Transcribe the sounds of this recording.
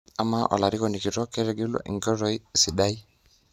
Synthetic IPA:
a˦ma˦ʔɔ̰˨la˨ɾi˦kɔ˨ni˨ki˨ɾɔ˦kɛ˦ɾɛ˨ɡe˦lo̰˦ʔḭ˨ŋɡɔ˦ɾɔ˦jsi˨ɗa˦i˦

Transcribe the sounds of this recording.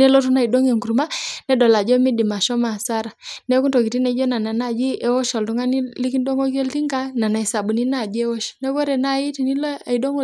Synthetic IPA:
nɛ˦lɔ˦tu˦na˨i˨dɔ˦ŋɛ˨ŋɡu˨ɾu˨ma˦nɛ˦dɔ˨la˨d͡ʒɔ˦mi˦di˨ma˨ʃɔ˦ma˨sa˦ɾa˨nɛ˦ku˦ndɔ˨ki˨ti˦nɛ˨˦d͡ʒɔ˦na˨na˨na˦˨d͡ʒi˦ʔɛ˦wɔ˦ʃɔ˨ltu˦ŋa˦ni˦li˦ki˦ndɔ˦ŋɡɔ˦kɔ˦lti˦ŋɡa˦na˨na˨i˨sa˨ɓu˨ni˦na˦˨d͡ʒi˦ɛ˦wɔ˦ʃnɛ˦βɔ˦ɾɛ˨na˦˨i˦ti˨ni˦lɔ˦a˨i˨dɔ˦ŋɔ˦

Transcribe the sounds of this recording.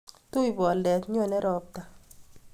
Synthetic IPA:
to˦i˨bɔ˨lɛ˨t̪ɲɔ˦˨nɛ˦ɾɔ˨k̚ta˨

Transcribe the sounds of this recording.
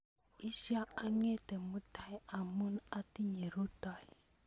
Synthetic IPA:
i˦ʃa˦a˦ŋe˦tɛ˨mu˦tʰa˦ja˨mu˦na˦ti˦ɲe˨ɾu˦ta˨ji˨

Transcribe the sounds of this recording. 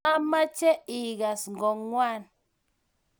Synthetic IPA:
a˦ma˦t͡ʃɛ˦i˨ɣa˨sŋ̩˨ɡɔ˨ŋŋwa˦˨n

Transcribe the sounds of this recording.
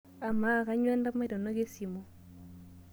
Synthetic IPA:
a˨ma˦˨ka˦ɲwɛ˦nda˦ma˦dɔ˨no˦ɡe˦si˨mo˦

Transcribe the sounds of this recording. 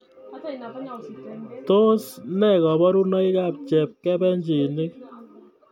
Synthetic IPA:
to˦snɛ˦˨kɔ˨bɔ˦ɾu˦nɔ˦i˦ka˦p̚t͡ʃɛ˨p̚kɛ˦bɛ˦ɲd͡ʒe˨nɪ˦k̚

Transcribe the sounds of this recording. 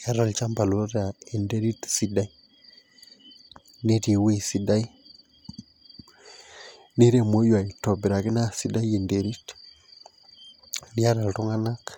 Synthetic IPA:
ja˦ɾɔ˨lt͡ʃa˦mba˨lo˦ɾa˨e˨nde˦ɾi˦tsi˨da˦i˦ | ne˦te˨we˦si˨da˦i˦ | ne˦ɾe˨mo˦jwa˨i˨tɔ˨bi˨ɾa˨kɪ˦na˦si˦da˦je˨nde˨ɾi˦t | di˦a˦ɾa˨ltu˦ŋa˦na˦k

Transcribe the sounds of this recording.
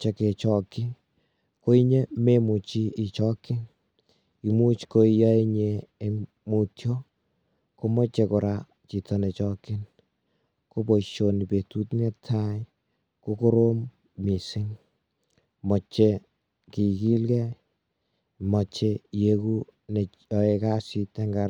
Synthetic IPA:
t͡ʃe˨˦ke˨t͡ʃɔ˨kːɪ˦ | ko˦i˦ɲe˦me˦mu˨t͡ʃi˦ʔi˨t͡ʃɔ˦kɪ˦n | i˨mu˦t͡ʃko˦ijɔ˦e˦ɲeː˨ | mu˨tʰjo˦ | ko˦mɔ˦t͡ʃe˧kʊ˨ɾa˦ | t͡ʃi˨tɔ˦ne˨t͡ʃɔ˦kɪ˦n | ko˦bo˨ʃo˨ni˨pe˨tu˦tnɛ˦tʰːa˦j | ko˦ko˦ɾo˦mː | i˨sɪ˦ŋ | mɔ˨t͡ʃːe˦ | ki˨ki˦lkɛ˦ | mɔ˨t͡ʃe˦jeku˦ | ne˨ | jɔ˨e˧ka˦si˧te˦ŋɡa˨ɾ

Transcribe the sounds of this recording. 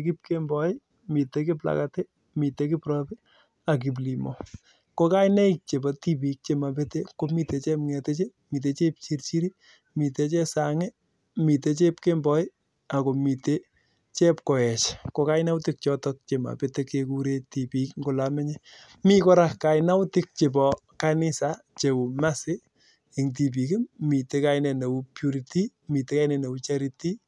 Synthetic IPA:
ki˦p̚ke˦mbɔ˨ɪ˦ | mi˨te˦ki˦pla̰˨kate˦ | mi˨te˨ki˦pɾɔ˦pi˦ | a˨k̬i˨p̬li˨mɔ̰˨ | ko˦ka˦jnɛ˦ik̚t͡ʃe˨ba˨ti˦p̬i˨k̚t͡ʃe˨ma˨p̬e˦te˦ko˦mi˦te˨˧t͡ʃɛ˦mŋɛ˨te˦t͡ʃe˦mi˨t̬e˨˦t͡ʃe˦p̚t͡ʃi˦ɾt͡ʃi˦ɾi˦ | mi˨te˦t͡ʃɛ˦sa˨ŋɛ˦ | mi˨te˨˦t͡ʃe˦pke˦mbɔ˦ɪ˦ | a˨ko˨mi˨te˦ | t͡ʃe˦pkɔ˨ɛ˨t͡ʃko˨ka˦jna˦wti˦k̚t͡ʃɔ˦tɔk̚t͡ʃe˨ma̰˨pe˦te˦ke˧ku˦ɾe˦ti˨pi˨˦kŋɡo˨la˨mɛ˦ɲe˦ | mi˦kɔ˦ɾa˦kka˨ɪna˦wʊ˦tɪ˦k̚t͡ʃe˨p̬ɔ˨ | ka˦ni˦sa˨ | t͡ʃe˨wu˨ma˦sɪ˦ | e˨ŋt̬i˨p̬i˨kɪ˦mmi˨te˧ka˦inɛ˨ne˨u˦pju˧ɾi˨ti˦ | mi˨te˨ka˦jnɛ˨ne˨wu˦t͡ʃa˦ɾiti˦

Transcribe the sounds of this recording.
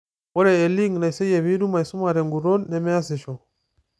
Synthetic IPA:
wɔ˦ɾɛː˨li˦ŋna˨i˨sɛ˦je˨βi˦ɾu˦ma˨i˨su˦ma˨ɾɛ˨ŋɡu˨ɾo˦nːɛ˨mɛ˦a˦sɛ˨ʃo˨

